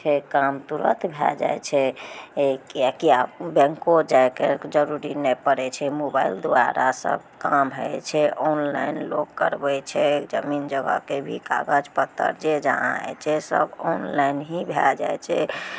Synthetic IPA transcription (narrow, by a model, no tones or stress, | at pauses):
t͡ʃʰɛkamt̪uɾə̰t̪bʱɛ̰d͡ʒa̰jt͡ʃʰɛekakiabɛ̃ŋkod͡ʒajked͡ʒəɾuɾinɛpəɾɛt͡ʃʰɛmobaild̪oaɾasə̰bkamɦət͡ʃʰɛʔɔnla̰inloɡkəɾbɛt͡ʃʰɛd͡ʒəmind͡ʒəɡə̰kebʱika̰ɡəd͡ʒpət̪ːə̰ɾd͡ʒed͡ʒaã̰ɛ̰t͡ʃʰɛsə̰bɔnlajnɦibʱɛld͡ʒa̰jt͡ʃʰɛ